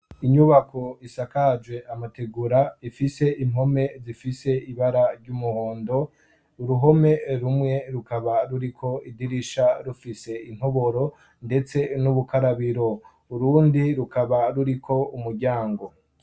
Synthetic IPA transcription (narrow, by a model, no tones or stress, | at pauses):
iɲuβakʰo̞isakad͡ʒwe̞ʔamateɡuɾaifise̞im̥ɦo̞me̞zifise̞iβaɾaɾɟumuhoːndo̞ | uɾuɦo̞me̞ɾumŋe̞ɾukaβaɾuɾikʰo̞idiɾiʃaɾufise̞in̥ho̞βo̞ɾo̞ | nde̞t͡se̞nuβukʰaɾaβiɾo̞ | uɾuːndiɾukaβaɾuɾikʰo̞umuɾɟaːŋɡo̞